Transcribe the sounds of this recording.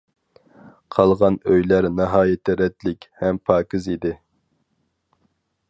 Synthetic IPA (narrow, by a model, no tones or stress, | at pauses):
qʰɑlˠʁɑnøjlæɾnɨɦɑːjɪt̪ʰɪɾɛt̪lɪkʲhɛmpʰɑːkʲizid̪ɪ